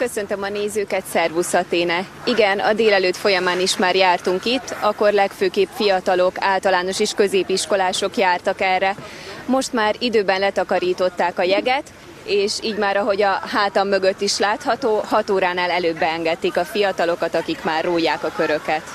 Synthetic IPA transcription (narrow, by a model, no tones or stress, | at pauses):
kø̞sønt̪ømɒneːzøːkɛt̪sɛrvusɒt̪eːnɛiɡɛnɒ̰d̪eːlɛløːt̪fo̞jɒmaːniʃmaːrjaːrt̪uŋkit̪ːɒkːo̞rlɛkføːkeːpfijɒt̪ɒlo̞kaːlt̪ɒlaːno̞ʃiːʃkø̞zeːpiʃko̞laːʃo̞kjaːrt̪ɒkɛrːɛmo̞ʃt̪maːɾid̪øːbɛnlɛt̪ɒkɒɾiːt̪o̞t̪ːaːkɒjɛɡɛt̪ | eːʃiːɟmaːɾɒɦo̞ɟɒɦaːt̪ɒmːø̞ɡø̞t̪ːiʃlaːt̪hɒt̪oːhɒt̪oːɾaːnaːlɛløːbːɛɛŋɡɛt̪ːiːkɒfijɒt̪ɒlo̞kɒt̪ɒkikmaːrːoːjaːkɒkø̞ɾø̞kɛt̪